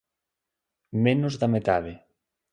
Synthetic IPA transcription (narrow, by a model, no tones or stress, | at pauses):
menʊzðamet̪aðe